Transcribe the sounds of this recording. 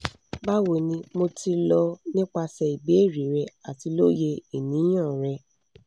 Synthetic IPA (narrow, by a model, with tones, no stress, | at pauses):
ba˦wo˨nĩ˧mo˧ti˧lɔ˧nĩ˦k͡pa˧sɛ˧i˨be˨˦e˦˨ɾi˨˦ɾɛ˧˦a˨ti˧lo˦je˧i˨nĩ˨˦j̃ã˦˨ɾɛ˧